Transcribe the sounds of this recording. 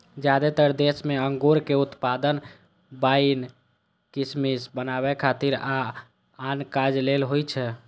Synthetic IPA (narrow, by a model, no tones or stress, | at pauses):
d͡ʒad̪et̪əɾd̪esmeəŋɡoɾkeut̪pad̪ən | bain | kismisbənaβɛkʰat̪iɾaː | nkad͡ʒlelɦojt͡ʃʰɛ